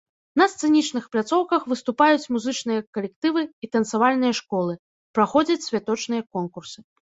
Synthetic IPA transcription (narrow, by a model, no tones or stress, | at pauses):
nɐst̪sɛnʲit͡ʂn̪ɨxplʲat̪sɔwkɐxvɨst̪upajut͡sʲmuzɨt͡ʂnɨjɐkɐlʲɛkt̪ɨvɨit̪ɐnt̪savalʲnɨjɐʂkɔlˠɨ | pɾaxɔd͡zʲɐt͡sʲsʲvʲat̪ɔt͡ʂnɨjɐkɔnkursɨ̥